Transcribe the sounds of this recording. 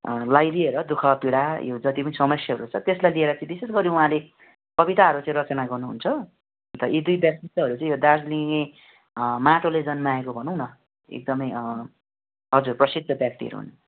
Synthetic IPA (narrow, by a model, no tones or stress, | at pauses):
lajlieɾʌd̪ukʰʌpiɽajod͡zʌt̪ipʌnisʌmʌsjʌɦʌɾut͡sʰʌt̪eslajlieɾʌt͡sʌĩbisesɡʌɾĩũɦãle | kʌbit̪aɦʌɾut͡sãĩɾʌt͡sʌnaɡʌrnuɦṵnt͡sʰʌ | t̪ʌʔid̪ujbjak̚t̪iʌɦʌɾut͡saĩjod̪arsliŋŋe | maʈolejd͡zʌnmaekobʱʌnũw̃nʌ | ḛk̚d̪ʌmʌj | ʌd͡zurprʌsid̪ʱʌbjak̚t̪iʌ̰ɾṵɦṵnt͡s